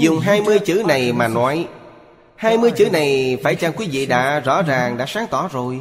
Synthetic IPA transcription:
zʊ˨˩ŋ͡mɦaː˧jmɨ˧əjt͡ɕɨ̰˧˥na˨˩jmaː˨˩nɔ˨˦j | haː˧jmɨ˧əjt͡ɕɨ˨˦na˨˩jfaː˧˩jt͡ɕa˧nkwi˨˦vḭ˧˨ɗa̰ː˧˥zɔ̰˧˥zaː˨˩ŋɗa̰ː˧˥saː˨˦ŋt̪ɔ˧˩zo˨˩j

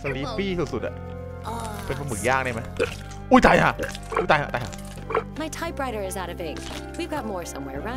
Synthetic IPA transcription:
sa˧˩diː˦˥piː˥˩su˨˩su˨˩t̪̚a̰˨˩ | pe˧nkʰa˧mɯː˩˦jaː˥˩k̚naː˥˩ma˦˥j | ʔu˧˥˩jt̪a˧jha˧˩ | ʔuː˧˥˩jt̪a˧jha̰˧˩t̪a˧jha̰˥˩ | maɪtʰaɪpɹaɪɾə˞ɨzaʊɾʌvɪ̃ŋ | wivɡɑt̚mɔɹsʌ̃mwɛ̰ɹɹã

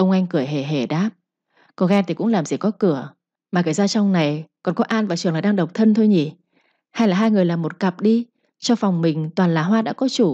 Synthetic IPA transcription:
ʔə˧wŋ͡mʔa˧jŋ̟kɨ˧˩əjɦe˧˩ɦe˧˩ɗaː˦˥p̚ | kɔ˧˦ɣɛ˧nt̪ʰi˨˩kʊ̰˧˥ŋlaː˨˩mzi˨˩kɔ˨˦kɨ˧˩ə | maː˨˩ə˧˩jzaː˧t͡ɕɔ˧wŋ͡mna˨˩jkɔ˨˩nkɔ˨˦ʔaː˧nvaː˨˩t͡ɕɨ˨˩əŋlaː˨˩jɗaː˧ɗə˨˩wk͡p̚t̪ʰə˧nt̪ʰo˧jɲi˨˩ | ha˧jlaː˨˩ɦaː˧jŋɨ˨˩əjlaː˨˩mo˨˩t̚ka˨˩p̚ɗi˧ | t͡ɕɔ˧fa˨˩wŋ͡mmï˨˩ŋ̟t̪waː˨˩nlaː˨˩ɦwaː˧ɗa̰ː˧˥kɔ˨˦t͡ɕu˧˩

